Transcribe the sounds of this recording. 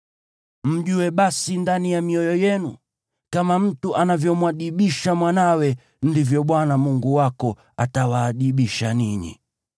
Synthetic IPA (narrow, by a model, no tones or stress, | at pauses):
m̩ʄuwɛɓasindanijamiɔjɔjɛnu | kamam̩tuʔanavjɔmwaɗiɓiʃamwanawɛ | ndivjɔɓwanamuŋɡuwakɔ | atawaːɗiɓiʃaniɲḭ